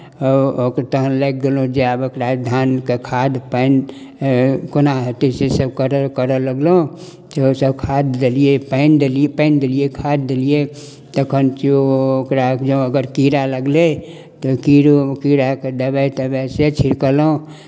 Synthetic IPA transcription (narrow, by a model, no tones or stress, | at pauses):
ɔokt̪əɦənlek̚d̪elõd͡ʒeabokɾad̪ʱankekʰad̪pəɪn | konaɦət̪isesəb̚kəɾəkəɾələɡlo | t̪oosəbkʰad̪d̪eliepəɪnd̪elipə̃ɪnd̪eliekʰad̪̚ːelie | t̪əkʰənt͡ʃiookɾad͡ʒõəɡəɾkiɾaləɡle | t̪okiɾokiɾaked̪əbət̪əbɛset͡ʃʰiɾkəlo